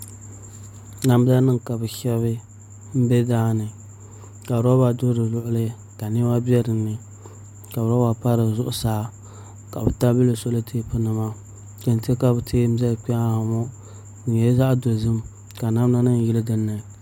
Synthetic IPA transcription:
na˦m˦da˦nɨ˦ŋka˨bɨ˨ʃɛ˦βɨ˦ | m̩˦bɛ˦daː˦nɨ˨ | ka˨ɾa˦ba˨do˦dɨ˨lʊ˦ʔʊ˦lɨ˦ | ka˨ne˦ma˦bi˦ɛ˦ɾɨ˨nːɨ˨ | ka˨a˦ba˨pa˦ɾɨ˨zʊ˦ʔʊ˦saː˨˦ | ka˨bɨ˨ta˦bi˦lɨ˨so˦lɨ˦tʰeː˦pɨ˦nɨ˨ma˦ | ka˨n˨te˦ka˦bɨ˨tʰeː˦m̩˦zɛ˦lk͡pɛ˦a˦a˨mɔ˦ | n̩˨ɛ˦za˦ʔdo˨zɨ˦m | ka˨na˦m˦na˦nɨ˦n˨jɪ˦lɨ˦dɨ˦nːɨ˨

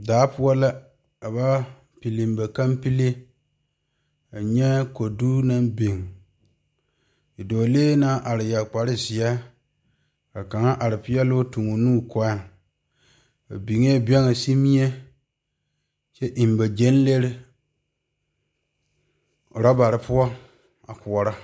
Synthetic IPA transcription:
daː˨˦pʊ˦a˦la˦ | a˨ba˦ | pi˨li˨mba˨ka˦mpi˦le˦ | a˨ɲɛ˦ko˨du˦na˦mbi˨ŋ | i˨doː˨leː˦naː˦ʔa˨ɾɪ˨ja˨k͡pa˨ɾɪ˦zɪ˨a˦ | ka˨ka˨ŋa˦ʔa˨ɾɪ˨pɪ˦ɛ˦lʊ˦tu˨ŋo˨nuː˦kɔ˦a˦˨ | a̰˨bi˨ŋ˦e˦bɛ˦ŋa˨si˦mi˦e˦ | t͡ʃɛ˦ʔi˨mba˨d͡ʒe˦n˦le˦ɾɪ˦˨ | ɾa˦ba˨ɾɪ˨pʊ˦ɔ˦ | a̰˨kʊ˨ɔ˨ɾa˦

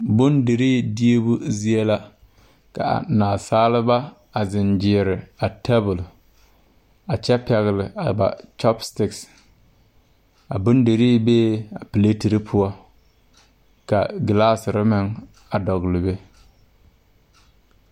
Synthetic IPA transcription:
bʊ˦nde˨ɾiː˦˨di˦e˦bʊ˦zi˦e˦la˦ | ka̰˨a̰˨naː˨saː˦lɪ˦ba˦ | a˨zɪ˨nd͡ʒɪ˨ɾɪ˨a˨tʰɛ˦bʊ˨l | a˨t͡ʃɛ˦pɛ˨ɣɪ˨lɪ˨a˨ba̰˨t͡ʃɔ˦pstɪ˦ks | a̰˨bʊ˦nde˨ɾiː˦beː˦a˨pɪ˨le˦ti˨ɾɪ˦pʰʊ˦ɔ˦ | ka̰˨ɡɪ˨laː˦sɪ˨ɾɪ˦mɪ˦ŋ | a˨dɔ˨ɣlɪ˨be˦

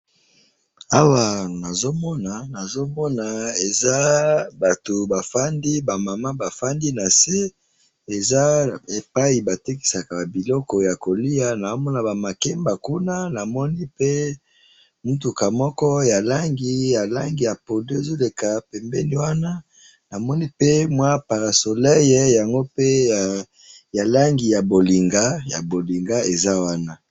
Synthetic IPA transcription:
a˦wa˨na˨zo˦mɔ˦na˨na˨zo˦mɔ˦na˨e˨za˦ba˨to˨ba˨fa˦ndi˦ba˨ma˨ma˦ba˨fa˦ndi˦na˨se˦ | e˨za˦e˨pa˦i˨ba˨te˦ki̥˨sa˨ka˨bi˨lɔ˦kɔ˨ja˨ko˨li˦a˦na˨o˦mɔ˦na˨ba˨ma˨kɛ˦mba˨ku˦na˦na˨mɔ˦ni˦pe˦ | mu˦tu˨ka˨mɔ˦kɔ˦ja˨la˦ŋɡi˨ja˨la˦ŋɡi˨ja˨po˨do˦e˨zo˦le˨ka˨pɛ˨mbɛ˦ni˨˦wa˦na˦ | na˨mɔ˦ni˦pe˦mwa˦pa˨ʁa˨so˨lɛ˦jɛ˦ja˨ŋɡo˦pe˦˨ | ja˨la˦ŋɡi˨ja˨bo˨li˨ŋɡa˦ja˨bo˨li˨ŋɡa˦e˨za˦wa˦na˦

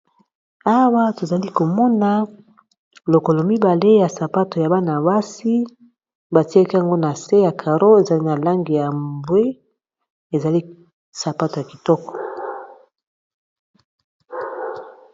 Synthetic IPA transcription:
a˦wa˦to˨za˨li˦ko˨mɔ˦na˨ | lo˨ko˨lɔ˨mi˦ba˨le˦ja˨sa˨pa˦to˨ja˨ba˦na˨ba˦si˦ | ba˨ti˦a˦ki˦a˨ŋɡo˦na˨se˦ja˨kʰa˨ʁo˦e˨za˨li˦na˨la˦ŋɡi˨ja˨mbwe˦ | e˨za˨li˦ | sa˨pa˦to˨ja˨ki˨tɔ˦kɔ̥˨

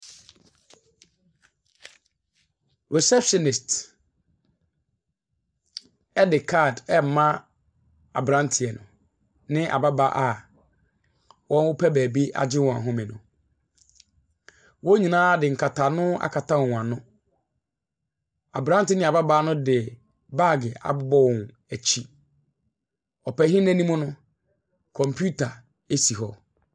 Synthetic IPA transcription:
ɾo˨sɛ˦psɔ˨nɪ˨st | ɛ˦dɪ˨kʰa˦˨dɛ˦m̩˨mã˦ | a̰˨bɾã˦ntʰɪ˨ɛ˨nʊ̰̃˨ | nɪ̃˦ʔa̰˨ba˦ba˨˦ʔa˨ | wʔɔ̃˦nwʊ˦pʰɛ˦bæː˨bi˦ʔa̰˨d͡ʑɪ˦wɔ̃˨a˨ɦʊ̃˦mɪ̃˨nʊ̰̃˨ | wo˦ɲĩ˨nãː˦dɪ˨ŋ̩˨kʰa˨tʰa˨nʊ̃˦a̰˨kʰa˨tʰa˦wɔ̃˨ã˨nʊ̃˦ | a˨bɾã˦ntɪ˨nɪ̃˦a˨ba˦baː˦nʊ̃˦dɪ˨ | ba˦˨ɡɪ˨a̰˨bʊ˦bɔ˦wɔ̃˨n | æ˨t͡ɕʰi˦ | ɔ˨pæ˨˦ɦĩ˦næ̃˦nĩ˦mʊ̃˦nʊ̃˦ | kʰɔ̃˨mpʰu˦tʰa˨ | e˦si˨ɦɔ˦

